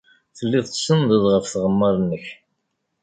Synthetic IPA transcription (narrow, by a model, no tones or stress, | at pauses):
θəlːiðˤsənðˤəðˤʁəfθʁəmːəɾˤənːəç